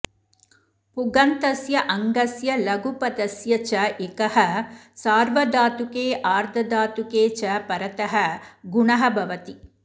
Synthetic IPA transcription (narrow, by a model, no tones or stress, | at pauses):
puɡɐnt̪ɐsjɐʔɐŋɡɐsjɐlɐɡupɐd̪ɐsjɐt͡ʃɐʔekɐhɐ | saːɾʋɐd̪aːt̪ukeːʔaːɾd̪ʱɐd̪aːt̪ukeːt͡ʃɐpɐɾɐt̪ɐɦɐɡuɳɐɦɐbʱɐʋɐt̪i